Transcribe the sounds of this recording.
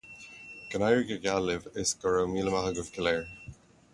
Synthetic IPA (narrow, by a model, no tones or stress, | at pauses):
ɡ̥ənajɹɪɡəɡalɪvɪsɡ̥əɹəwmiːləmahəɡʊvkʰɪlɛːɹ